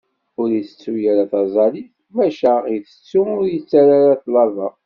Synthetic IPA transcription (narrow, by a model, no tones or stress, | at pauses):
ʊɾiθə̥t͡sːujaɾaθɑzˤɑliθ | mæʃæiθə̥t͡sːuʊɾjət͡sːaɾaɾaθlɑvɑ